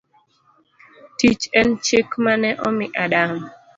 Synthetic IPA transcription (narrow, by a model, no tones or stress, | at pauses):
tit͡ʃɛnt͡ʃekmanɛʔɔmɪʔadaŋ